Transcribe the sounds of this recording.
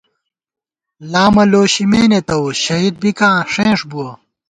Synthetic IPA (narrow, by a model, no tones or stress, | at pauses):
laːmɐloːɕimeːnet̪ɐwɕɐid̪̚bikãːʂẽːʂbuwɐ